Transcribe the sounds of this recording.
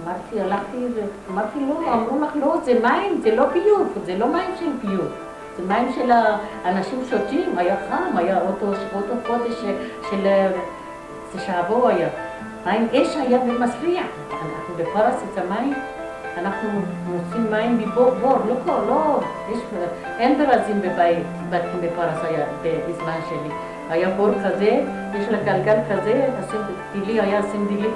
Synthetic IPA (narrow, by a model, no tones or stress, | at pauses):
amaɾt̪ialaχt̪iamaɾt̪iloamɾumaχlozemainzelopijufzelomaimʃelpijuf | zemajimʃelaːnaʃimʃot̪imajafamajaot̪oʃot̪okod̪eʃʃel | seʃaavoaja | hainʔeʃhajabilmasɾiʕ | anaxnubepaɾˤasit͡samajin | anaxnumusinmajinbiboboɾlokolo | eʃ | ʔenb̪eɾazimbebait̪bat̪k̪imbefaɾˤashajab̪eizmanʃeli | hajabolkaze | eʃlaɡalɡalkazeasin | d̪̥ilihajasind̪ilːi